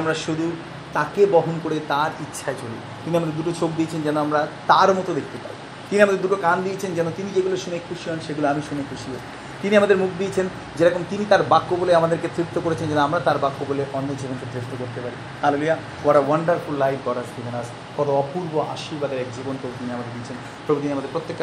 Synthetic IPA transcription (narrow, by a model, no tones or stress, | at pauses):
amɾaʃud̪ʱu | t̪akebɔɦonkoɾet̪aɾitːɕʰaet͡ɕolḭ | t̪iniamad̪eɾd̪uʈot͡ɕok̚d̪iet͡ɕʰend͡ʑɛnoamɾat̪aɾmɔt̪od̪ekʰt̪epa̰ɾḭ | t̪iniamad̪eɾd̪uʈokand̪iet͡ɕʰend͡ʑɛnot̪inid͡ʑeɡuloʃunekʰːuʃiɦɔnʃeɡuloamiʃunekʰːuʃiɦo | t̪iniamad̪eɾmukʰd̪iet͡ɕʰen | d͡ʑeɾɔkomt̪init̪aɾbakːoboleamad̪eɾket̪ɾit̪ːokoɾet͡ɕʰend͡ʑɛnoamɾat̪aɾbakːoboleʔɔnːod͡ʑibonked̪ɾeʃt̪okoɾt̪epaɾi | haloluja | oaɾawɐɳɖaɾfulːajfɡɔɾasɡibʱenas | kɔt̪oɔpuɾboa̰ʃiɾbad̪eɾɛk̚d͡ʑibonpɾobut̪iniamad̪eɾd̪iet͡ɕʰen | pɾobot̪iniamad̪eɾpɾot̪ːekː